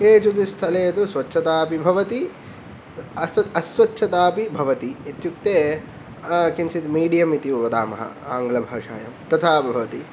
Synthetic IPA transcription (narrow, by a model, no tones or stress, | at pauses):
eːt͡ʃukist̪ʰɐleːɐt̪usʋɐtːʃʰɐt̪aːpibʱɐʋɐt̪i | ɐsɐsʋɐtːʃʰɐt̪aːpibʱɐʋɐt̪iːt̪juk̚t̪eː | kint͡ʃit̪miːɖijɐmit̪iuʋɐd̪aːmɐɦɐ̰aːŋɡlɐbʱɐːʂa̰ːjɐ̰mt̪ɐt̪ʰaːbbʱɐʋɐt̪i